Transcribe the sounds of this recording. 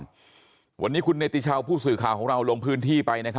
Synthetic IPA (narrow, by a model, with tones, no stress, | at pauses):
wʔa˧nːiː˦˥kʰu˧nːeː˦˧˩t̪i˧t͡ɕʰa˧wpʰuː˥˩sɯː˨˩kʰaː˨˩wkɔː˩˦ŋɾa˧wlo˧ŋpʰɯː˦˥nt̪ʰiː˥˩pa˧jna˦˥kʰa˦˥